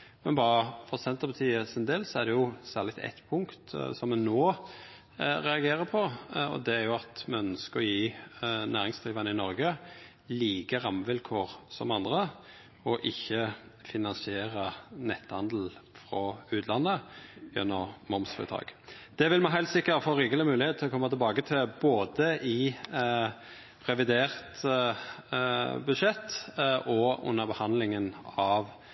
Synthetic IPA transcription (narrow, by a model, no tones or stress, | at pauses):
mɛnbɑːɾəfɔʁsɛnt̪əʁbət̪ʰiːəsɪnd̪eːlsɔæd̪ɛjʊsæːʁlɪɡt̪ɛ̰t̪ːpʰʊŋkt̪sɔmːɛnoː | ɾɛɑɡeːɾəpʰɔɔ̰d̪ɛæɾjʊɑt̪mɛœnskəɔjiːnæːʁɪŋsd̪ʁiːʋənəɪnɔɾɡə | liːkəɾɑmʋɪlkʰoːʁsɔmɑnd̪ʁə | ɔʔɪçːəfɪnɑnsɪeːɾənɛt̪ːhɑnd̪l̩fʁɔʉːt̪ʰlɑnːəjɛ̰nːɔʁmɔmsfɪ̰t̪ʰɑ̰ːɡ̥d̪̥ɛʋɪlmæɪɦæɪlt̪sɪkːəɾɔfoːʁiːɡələmʉːlɪheːt̪̚ʰɪlɔkʰɔmːɑt̪ʰɪlbɑːɡət̪ʰɪlboːd̪əʔɪ | ʁɛʋɪd̪eːʁt̪ | bʉd̪ʃɛt̪ːʔɔʊ̰nːəʁbəhɑnd̪lɪŋənɑʋ